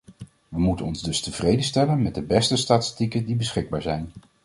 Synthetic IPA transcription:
ʋəmutənɔnzdɵstəv̥rejdənstɛlənmɛt̚dəbɛstəstaːtɪ̥stikəndibəsχɪɡ̚baːɹzɛjn

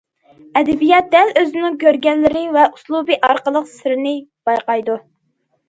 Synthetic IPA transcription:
ɛd̪ɛbijɑt̪̚d̪ɛløzɪnɪŋkʲʰøɾɡʲɛnlːɪɾɪvɛuslˠubɨʔɑɾqəlˠəqsɪɾɪnɪb̥ɑjqɑjd̪u

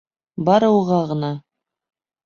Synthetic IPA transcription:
bɑɾɤ̆wʁɑʁɤ̆nɑ

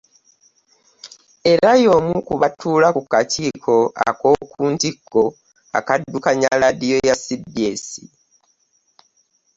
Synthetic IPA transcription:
e̞ɾajo̞mukuβatuːlakukatiːkʰo̞a̰ko̞ːkʰuːntikːo̞ | a̰kadːukaɲaladijo̞jasidesḭ

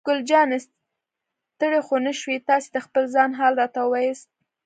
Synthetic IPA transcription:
ɡ̥ʊld͡ʒɑnɪs | t̪əɽexonəʃwit̪ɑse̥d̪əxpəlzɑnɦɑlɾɑt̪aəwajəst̪̚

